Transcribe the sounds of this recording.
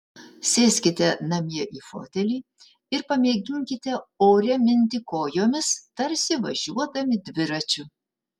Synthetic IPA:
sʲeːsʲkʲɪt̪ʲɛnɐmʲiɛʔiːfo̰ːt̪ʲɛlʲiː | ɪɾpɐmʲeɛɡʲɪŋʲkʲɪt̪ʲɛoːɾʲɛmʲɪnʲt̪ʲɪkoːjoːmʲɪst̪ɐɾʲsʲɪʋɐ̰ʒʲuɔd̪ɐmʲɪd̪ʲʋʲɪɾɐt͡ʃʲʊ

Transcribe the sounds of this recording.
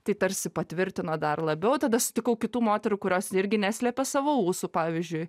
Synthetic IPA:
t̪ɐɪt̪ɐɾʲsʲɪpɐt̪ʲʋʲɪɾʲt̪ʲɪnod̪ɐrlˠɐbʲɛʊt̪ɐd̪ɐʃsʊ̥t̪ʲɪkɐʊkʲɪt̪uːmoːt̪ʲɛɾuːkʊɾʲoːsɪɾʲɡʲɪnʲæsʲlʲɛpʲɛsɑːʋouːsupɑːʋʲɪzʲd͡ʒʲʊɪ

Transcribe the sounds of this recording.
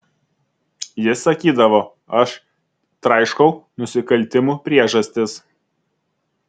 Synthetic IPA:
jɪsɐkʲiːd̪ɐʋoː | ɐʃ | t̪ɾɐɪʃkɐʊnʊsʲɪkɐlʲˑt̪ʲɪmuːpʲɾʲiɛʒɐsʲt̪ʲɪs

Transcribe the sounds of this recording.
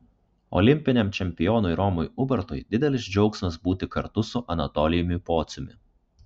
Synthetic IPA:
ɔ̰lʲɪmʲpʲɪnʲɛmt͡ʃʲɛmʲpʲɪjɔːnʊɪɾɔmʊjʊbʲɐɾt̪ʊjd̪ʲɪd̪ʲɛlʲɪsd͡ʒʲɔʊksʲmɐsbuːt̪ʲɪkɐɾt̪ʊsʊʔɐnɐt̪ɔlʲɪjmʲɪpoːt̪sʲʊmʲɪ

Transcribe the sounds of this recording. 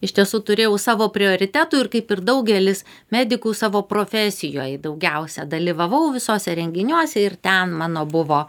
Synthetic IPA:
ɪʃʲt̪ʲiɛsut̪ʊɾʲeːjɛʊsɑːʋoːpʲɾʲɪoːɾʲɪt̪ʲæːt̪uːɪɾkɐɪpɪɾd̪ɐʊɡʲɛlʲɪs | mʲæːd̪ʲɪkuːsɑːʋoːpɾoːfʲæːsʲɪjo̰ːjd̪ɐʊɡʲɛʊsʲɛd̪ɐlʲiʋɐʋɐʊʋʲɪsoːsʲɛɾʲɛŋʲɡʲɪnʲuɔsʲɛɪɾt̪ʲɛnmɑːnoːbʊʋoː

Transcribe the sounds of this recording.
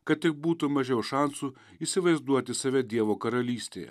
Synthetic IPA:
kɐt̪̚t̪ʲɪk̚buːt̪ʊmɐʒʲɛʊʃɑnsuː | iːsʲɪʋɐɪzd̪uɔt̪ʲɪsɐʋʲɛd̪ʲiɛʋoːkɐɾɐlʲiːsʲt̪ʲḛːjɛ̰

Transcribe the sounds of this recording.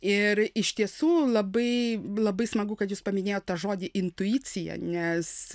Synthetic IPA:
ɪɾɪʃʲt̪ʲiɛsuːlˠɐbɐɪlˠɐbɐɪsmɐɡʊkɐt̪juːspɐmʲɪnʲeːjoːt̪t̪ɐʒoːd̪ʲɪʔɪnt̪ʊiːt͡ssʲɪjɛ̰nʲɛs

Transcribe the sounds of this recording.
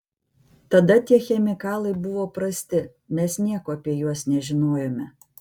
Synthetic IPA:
t̪ɐd̪ɐt̪ʲiɛxʲɛmʲɪkɑːlˠɐɪbʊʋoːpɾɐsʲt̪ʲɪ | nʲɛsnʲiɛkoːɐpʲiɛjuɔsnʲɛʒʲɪnoːjomʲɛ

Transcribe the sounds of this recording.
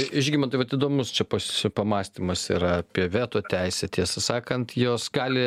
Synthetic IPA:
ɪʒʲɡʲɪmɐnt̪ɐɪʋɐt̪id̪oːmʊst͡ʃʲɛpospɐmɑːsʲt̪ʲimɐsḭɾɐɐpʲiɛʋʲeːt̪oːt̪ʲɛɪsʲɛt̪ʲiɛsɐsɑːkɐnt̪joːsɡɑːlʲɪ

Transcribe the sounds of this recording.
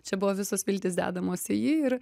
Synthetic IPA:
t͡ʃʲɛbʊʋoːʋʲɪsosʋʲɪlʲt̪ʲɪsd̪ʲæ̰ːd̪ɐmoːsɪjiːɪɾ

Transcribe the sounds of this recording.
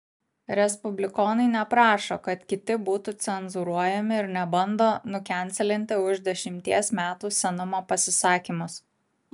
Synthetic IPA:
ɾʲɛspʊbʲlʲɪkɔːnɐɪnʲɛpɾɑːʃokɐt̪kʲɪt̪ʲɪbuːt̪ut̪sʲɛnzʊɾuɔjɛmʲɪɪɾnʲɛbɐnd̪oːnʊkʲæˑnʲt̪sʲɛlʲɪnʲt̪ʲɪʊʒd̪ʲɛʃʲɪmʲt̪ʲiɛsmʲæːt̪uːsʲɛnʊmoːpɐsʲɪsɑːkʲimʊs

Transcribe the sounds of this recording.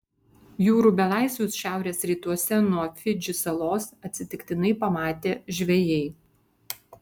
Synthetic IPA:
juːɾuːbʲɛlˠɑˑɪsʲʋʲuːsʃʲæˑʊɾʲeːsɾʲiːt̪uɔsʲɛnuɔfʲɪd͡ʒʲʊsɐlˠoːsɐt̪ʲsʲɪt̪ʲɪkt̪ʲɪnɐɪpɐmɑːt̪ʲeːʒʲʋʲɛjɛɪ

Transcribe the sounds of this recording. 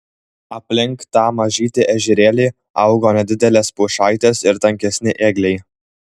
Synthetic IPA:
ɐpʲlʲɪŋˑkt̪ɑːmɐʒʲiːt̪ʲɪʔɛʒʲɪɾʲeːlʲiː | ɐʊɡoːnʲɛd̪ʲɪd̪ʲɛlʲeːspuʃɑˑɪt̪ʲeːsɪɾt̪ɐŋʲkʲɛsʲnʲɪʔeːɡlʲɛɪ

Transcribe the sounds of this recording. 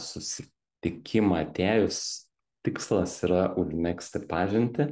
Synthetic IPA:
sʊsʲɪ | t̪ʲɪkʲɪmɑt̪ʲæːjʊs | t̪ʲɪkslˠɐsiːɾɐʔʊʒʲmʲæksʲt̪ʲɪpɑːʒʲɪnʲt̪ʲɪ

